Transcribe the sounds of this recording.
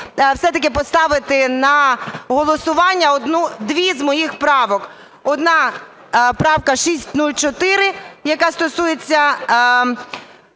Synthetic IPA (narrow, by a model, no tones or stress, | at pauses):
wsɛt̪ɐk̬ɪpɔst̪ɑʋɪt̪ɪnɐɦɔlˠɔsʊʋɑnʲːɐɔd̪nud̪ʋʲizmɔjixpɾɑʋɔk | ɔd̪nɑ | pɾɑwkɐʃisʲtʲnulʲt͡ʃɔt̪ɪɾɪjɐkɑst̪ɔsujet͡sʲːɐ